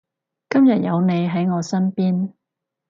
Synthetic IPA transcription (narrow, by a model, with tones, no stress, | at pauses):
kɐ˥mjɐ˨t̚jɐ˨˧wne˨˧jɦɐ˨˥jŋɔː˨˧sɐ˥npiː˥n